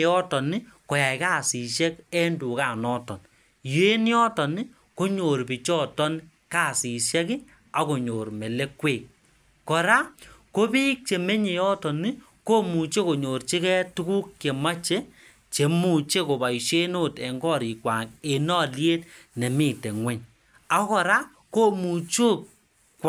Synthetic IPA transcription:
jɔ˦tɔ˨ni˦ko˨ja˨jkaː˦˨si˨ʃɛ˦kɛ˦ndu˨ka˨nɔ˦tɔ˨n | je˦njɔ˦tɔ˨nɪ˦ | ko˦ɲo˨ɾpi˨t͡ʃɔ˦tɔ˦n | kaː˦˨si˨ʃɛ˦ki˦ | a˨ko˨ɲo˨ɾme˨le˦kweː˦˨k | kɔ˨ɾa˦ko˦pi˦k̚t͡ʃe˨me˦ɲe˨jɔ˦tɔ˨ni˦ | ko˦mu˨t͡ʃe˦ko˨ɲo˨ɾt͡ʃi˦kɛ˦tu˦ku˦kke˨ma˦t͡ʃe˦ | t͡ʃe˨mu˦˨t͡ʃe˦ko˨ba˨jʃe˦no˦˨tɛ˨ŋɡɔ˦˨ɾi˨kwa˨ŋe˨nɔ˦˨lje˦tne˨mi˦˨te˨ŋwʷɛ˦ɲ | a˨˦kɔ˨ɾa˦ | ko˦mu˨t͡ʃo˦k̚ː

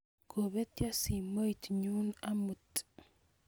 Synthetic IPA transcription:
ɡo˨βe˦tja˦si˨mo˦i˨tɲu˦na˦mu˨t

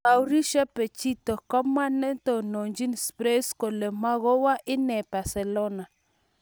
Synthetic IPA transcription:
a˨wɾi˦ʃa˦pɛ˨t͡ʃi˦t̪ɔ˨kɔ˦ma˦nɛ˦nt̪o˨no˨ɲd͡ʒi˦nspɾe˦sko˨le˨ma˦ɣo˦wa˦ʔɪ˦nɛ˨ba˨sɛ˨lo˦na˨

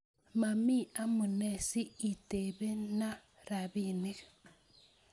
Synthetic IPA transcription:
ma˨mi˦a˦mu˨ne˦˨siː˦˨te˨βe˦na˦ | ɾa˨βi˦ne˦ɣḁ

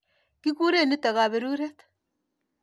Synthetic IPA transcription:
ki˦ku˦ɾe˦˨ni˦ta˨ɣa˨βe˨ɾu˦ɾɛ˦t̪

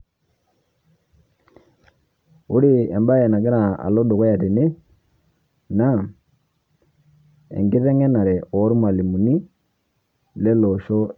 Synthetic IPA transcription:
u˦ɾi˦˨ɛ˨mba˦ɛ˨na˨ɡɪ˦ɾa˨a̰˨lɔ˦do˨kɔ˦ja˨te˨ne˦ | na˦ | ɛ̰˨ŋɡɪ˦ðɛ˦ŋɛ˦na˨ɾɛ˨ɔ˨˦ɾma˨li˨mu˨ni˦ | lɛ˦lɔ˨ʃɔ˦

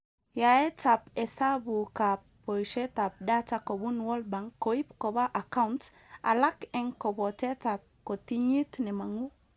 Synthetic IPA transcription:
ja˨ɛ˦ta˨pɛ˨sa˦bu˨ka˨pː | o˨jʃe˦ta˨p̚da˦ta˦kɔ˨bu˦nwɔ˦lba˨ŋkːo˨i˦pkɔ˨ba˦ʔa˨ka˦unt | a̰˨la˦kɛ˨ŋkɔ˨bɔ˨tɛ˦ta˨p̚ko˨ti˦ɲi˦tnɛ˨ma˨ŋu˦

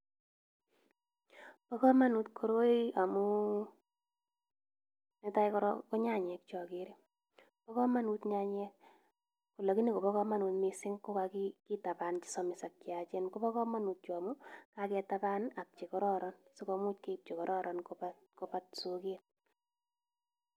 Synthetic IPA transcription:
pɔ˦kɔ˦ma˦nu˨tkʰoɾo˦ia˨mu˦ | ne˦ta˦ikɔɾɔ̰kɔ˦ɲa˦ɲɛ˨k̚t͡ʃɔ˨kɪɾi˦ | pɔ˦kɔ˦ma˦nu˧tɲa˦ɲɛk | ku˨la˨ki˦ni˦ko˨bɔ˦kɔ˦ma˦nu˧tmisɪ˦ŋko˦ka˧kiki˦ta˨pa˨nt͡ʃi̥˦sɔ˨mɪ˨sa˨kt͡ʃja˨t͡ʃɛ˦nko˦pɔ˦kɔ˦ma˦nu˨t̚t͡ʃɔ˨a˨mu˦kakɛ˧tapa˦na˨k̚t͡ʃe˨kɔ˦ɾɔ˦ɾɔnso˦kɔmu˦tke˦p̚t͡ʃe˨kɔ˨ɾʔɔ˦ɾʔɔnkopatkopatsuket̚

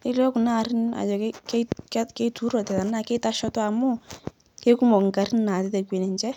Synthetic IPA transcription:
ɪ˦lɔ˦ku˨na˦˨ɾɪ˦na̰˨jɔ˨kke˦kke˦tu˦ɾɔ˨tɛ˨ta˨na˨ke˦ta˦ʃɔ˦tɔ˦a˨mu˦ | ke˦ku˦mɔ˨kŋ̩˨ka˨ɾɪ˦nna˨te˦te˨kwe˨ne˨nt͡ʃɛ˦

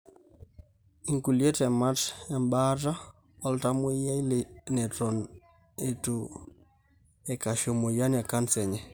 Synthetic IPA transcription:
i˨ŋku˨lje˦tɛ˨ma˦tɛ˨mba˦ɾa˦ | ɔ˦lta˦mo˦ja˦i˦le˨nɛ˨tɔ˨n | e˨to˨ | ɛ˨ka˨ʃo˨mo˨ja˦na˨ka˦nsɛ˨ɲɛ˨

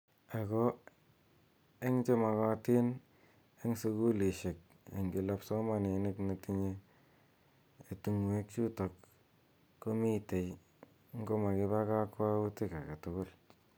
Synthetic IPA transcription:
a˨ko˦ | e˦ŋt͡ʃe˦ma˨ka˦ti˦n | e˦ŋsu˧ku˦li˨ʃe˨k̚ | ḛ˨ŋɡɪ˨la˦pso˦ma˦˨ne˨ne˦kne˨ti˦ɲe˦ | e˨tu˨ŋwe˦k̚t͡ʃu˦to˨kː | o˦mi˦te˨j | ŋɡo˦ma˨kɪ˦βa˦ka˦kwa˦u˦tɪ˦ka˨ka˨tʊkʊ˦l

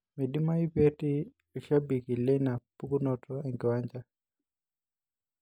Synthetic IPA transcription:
mɛ˨di˦ma˦i˦pe˦ti˦˨ | ʃa˦bi˨ki˨lɛ˦na˨pu˦ɡu˦nɔ˨tɔ˦ɛ˨ŋɡi˨wa˦ɲd͡ʒa˦

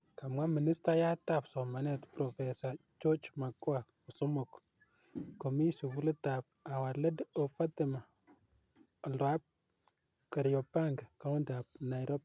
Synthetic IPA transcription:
ka˨mwa˦mɪ˨nɪ˦sta˦ja˦ta˦psɔ˨ma˨nɛ˦tpɾɔ˨fɛ˨sat͡ʃo˦t͡ʃma˨ko˦a˨ | ʊ˨sʊ˦mʊ˨k | ko˨mi˦su˨pu˦lə˦ta˨p̚a˨wa˨lə˦do˨fa˦tɪ˨ma˨ | lwa˦p̚ | kə˨ɾjɔ˨pa˦ŋɡka˦ʊ˦nda˨p̚na˨jɾɔ˦p̚

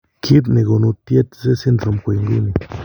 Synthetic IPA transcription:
kʰi˦t̪ni˨ɡo˨nu˧t̪je˦t̪ze˦si˦nʐo˨mkʷe˧˨ŋɡu˦ni˨

